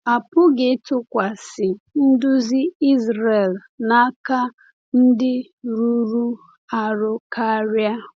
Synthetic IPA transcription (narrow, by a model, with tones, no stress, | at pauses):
a˨pʊ˦ɡɪ˨˦tʊ˦kʷa˨sɪ˨n̩˦dʊ˦zi˦i˦zɾe˨l | na˦ka˦ | n̩˦dɪ˦ | ɾu˦ɾu˦ | a˨ɾʊ˦kʰa˦ɾja˦